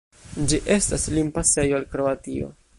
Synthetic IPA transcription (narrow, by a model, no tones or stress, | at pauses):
d͡ʒiʔe̞staslimpase̞joalkɾo̞atio̞̰